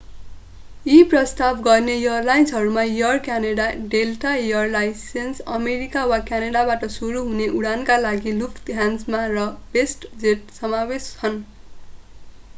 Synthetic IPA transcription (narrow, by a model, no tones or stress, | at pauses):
iprʌst̪abɡʌrnejʌrlajnsʌɾumajʌrkjaneɽaɖelʈajʌrlajsensʌmeɾikawakjanaɽabaʈʌsuɾuɦuneʔuɽankalaɡilukʰt̪ɦand͡zmarʌbesʈd͡zeʈsʌmawest͡sʰʌn